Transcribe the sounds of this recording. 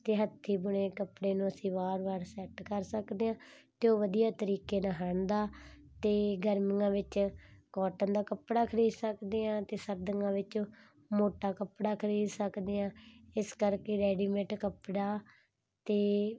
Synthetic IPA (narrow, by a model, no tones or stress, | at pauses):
t̪eːɦət̪ʰːiːbʊɽeːkəpɽeːnũːəsĩːbaːɾʋaːɾsɛʈkəɾsəkd̪eːãː | t̪eoːʋəd̪ijaːt̪əɾiːkeːnəɦãːnd̪aː | t̪eːɡəɾməŋãːʋɪt͡ʃkɔːʈãːd̪aːkəpɽaːkʰəɾiːd̪səkd̪eːãːt̪eːsəɾd̪əŋãːʋɪt͡ʃː | moːʈaːkəpɽaːkʰəɾiːd̪səkd̪eːãːɪskəɾkeːɾɛːɖiːmẽːʈkəpɽaː | t̪eː